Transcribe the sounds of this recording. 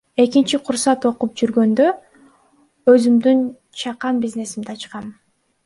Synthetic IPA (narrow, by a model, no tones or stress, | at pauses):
e̞kint͡ʃiqʰuɾsɑt̪o̞qup̚d͡ʒyɾɡø̞nd̪ø | øzymd̪yn | t͡ʃʰɑqɑmbizne̞simd̪eɑt͡ʃqɑm